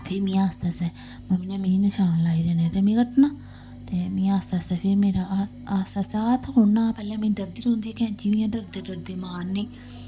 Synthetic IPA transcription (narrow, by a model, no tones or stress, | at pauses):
pʰɪɾmĩːaːsaːsɛː | mãːminãːmĩːnəʃaːnlaːiːd̪eːneːt̪eːmĩːkəʈʰnaː | t̪emĩːaːsaːsɛːpʰɪɾmeːɾaː | aːsaːsaːt̪ʰɦonãːpɛːlãːmĩːɖəɾd̪iːɾõːnd̪iːɛːkɛ̃ːd͡ʒiʋĩjãːɖəɾd̪eːɖəɾd̪eːmaːɾnĩː